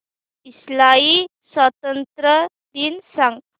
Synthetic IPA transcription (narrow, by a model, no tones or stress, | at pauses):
islai | sʋət̪ənt̪ɾə | d̪iːnsãŋɡ